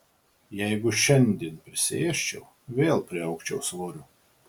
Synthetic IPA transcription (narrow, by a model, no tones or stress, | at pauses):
jɛjɡʊʃʲɛnʲd̪ʲiɛnpʲɾʲɪsʲɪ̰eɛʃʲt͡ʃʲɛw | vʲeːlˠpʲɾʲiɑʊkʃʲt͡ʃʲɛwsvɔɾʲʊ